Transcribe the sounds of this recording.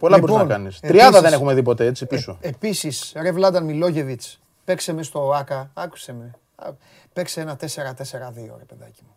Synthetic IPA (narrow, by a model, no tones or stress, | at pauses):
po̞lɐboizonɐnkɐnisɾiɐðɐðe̞ne̞xumeðipo̞t̪e̞et͡sipiso̞episisɾevlɐd̪ɐnmilo̞ʝe̞vit͡s | pe̞kse̞mest̪o̞ɐkɐɐku̥se̞mḛ | pe̞kseenɐt̪e̞se̞ɾɐt̪e̞se̞ɾɐðio̰ɾepe̞ðɐ̰cimu